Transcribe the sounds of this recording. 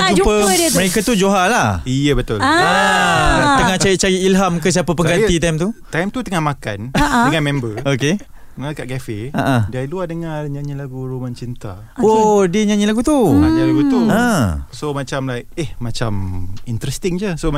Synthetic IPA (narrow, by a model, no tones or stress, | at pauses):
d͡ʒud͡ʒpəədət̪məɾekat̪ud͡ʒoɦalahijəbət̪ʊl | t̪əŋat͡ʃaiʔt͡ʃajiilɦamkəs̬iapəpəɡat̪it̪ajmt̪ut̪ajmt̪ut̪əŋahmaka̰naʔdəŋanmɛ̃mbəoke | makaʔɡafeaʔadiailuahdəŋarɲãɲĩlaɡuɾumant͡ʃint̪a | odəɲãɲilaɡut̪uaɲalaɡut̪uə̃somat͡ʃamlajk̚ehmat͡ʃamint̪ɾɛst̪ɪŋd͡ʒəso